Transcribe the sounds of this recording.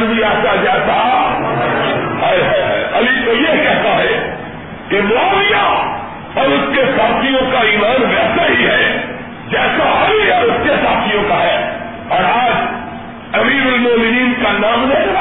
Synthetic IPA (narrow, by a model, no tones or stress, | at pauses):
nbʱiaːt͡ʃad͡ʒɛːsa | ɦɐɦɐjɦɐ̰jɐlit̪ojeɦkɛɦt̪aɦɛ | kemɔːlija | ɔːɾʊskesaːt̪ʰijõkaiːmaːnʋɛːsaɦiɦɛ | d͡ʒɛːsaɦɐɾiɔːɾʊskesaːt̪ʰijõkaɦɛː | ɔːɾaːd͡ʒ | ɐmiːɾʊlmɔːmɪniːnkanaːmnɛ̃